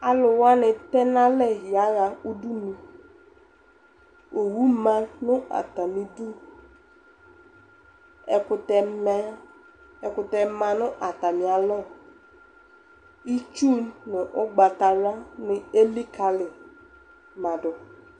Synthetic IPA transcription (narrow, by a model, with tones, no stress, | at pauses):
a˨lʊ˨wa˦nɪ˨t̪ɛ˦nã˦lɛ˦ɦi˨a˨˦ja˨u˦du˦nũ˨ | o˨wu˦mã˦nʊ̃˦a̰˨t̪a˨mĩ˨du˦ | ɛ˨kʊ˨tɛ˨mɛ˦ | ɛ˨kʊ˨t̪ɛ˨mã˨nʊ̃˦ʔa˨t̪a˨mĩ˨a˨lɔ˦˨ | i˦t͡ʃu˦nnɪ˨ʔɔ˦ɡ͡ba˨t̪a˨ɾa˦nɪ˨e˦li˦ka˨lɪ˨ | mã˨dʊ˨